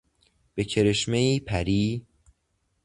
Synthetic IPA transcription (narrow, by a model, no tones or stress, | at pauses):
b̥e̞cʰe̞ɾeʃme̞iːpʰæɾiː